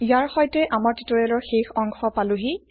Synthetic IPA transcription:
ijaɹxɔjtɛʔamaɹtitɔɹɛlɔɹxexɔŋxɔpalʊɦi

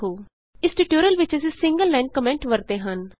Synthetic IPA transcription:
ɦoː | ɪsʈiʈoːɾijəlʋɪt͡ʃəsiːsɪ̃ŋɡəlːɛ̃ːɳɖ̚kəmɛ̃ɳʈʋəɾt̪eːɦən

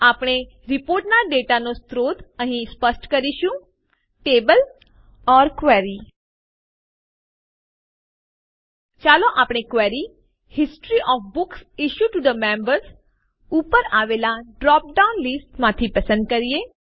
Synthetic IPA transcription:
aːpɽ̃e | ɾɪpoːɾʈnaɖeʈanost̪ɾod̪əɦĩspəsʈkəɾiʃũ | ʈebəl | ɔːɾkʋɛɾi | t͡ʃaloʔapɽ̃ekʋɛɾi | hɪsʈɾiʔɔːfbʊksiʃjuʈud̪əmɛ̃mbəɾz | upəɾaʋelaɖɾɔːp̚ɖaunlisʈmãt̪ʰipəsə̃nd̪̚kəɾie

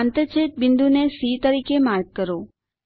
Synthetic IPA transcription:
nt̪ət͡ʃʰet̪̚bɪnd̪unesit̪əɾikemaɾɡ̚kəɾo

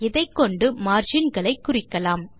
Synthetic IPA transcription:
ɪðɐɪkːɔɳɖɯmaːɾd͡ʒɪnɡɐɭɐɪkːʊrɪkːɐlaːm

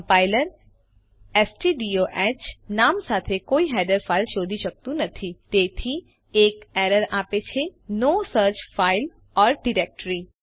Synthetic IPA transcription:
paːɪləɾ | ɛːsʈiɖioʔɛːt͡ʃnaːmsaːt̪ʰekoːiɦɛːɖəɾfʰaːɪlʃoːd̪ʱiʃək̚t̪ũnɐt̪ʰit̪eːt̪ʰi | eːkɛːɾəɾaːpet͡ʃʰenoːsəɾt͡ʃfʰaːɪl | ɔːɾɖɪɾeːk̚ʈɾi

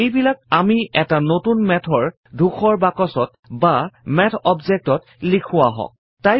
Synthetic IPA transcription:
ejbilak̚amiʔɛtanotunmɛtʰɔɹ | dʱuxʰɔɹbakɔsɔt̚ | bamɛtʰɔbzek̚tɔt | likʰʊwaɦɔ̰̃k̚ | taj

